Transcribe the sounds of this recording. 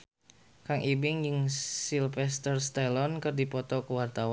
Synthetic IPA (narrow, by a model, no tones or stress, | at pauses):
kaŋʔibɪŋjəŋsilfɛst̪ərst̪alɔnkɨrdipɔt̪ɔkəwart̪aw